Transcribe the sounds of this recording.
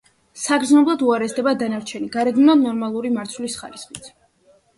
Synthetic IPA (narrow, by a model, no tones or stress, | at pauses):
saɡɾd̪znɔblˠad̪uaɾɛsd̪ɛbad̪anaɾt͡ʃʰɛniɡaɾɛd̪mnɔnɔɾmalˠuɾimaɾt̪sʰwlisχa̰ɾisχit̪sʰ